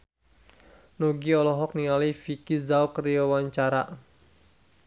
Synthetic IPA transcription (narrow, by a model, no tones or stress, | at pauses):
noɡiɔlɔɦɔk̚niŋalifikizaukəɾiawaɲt͡ʃaɾa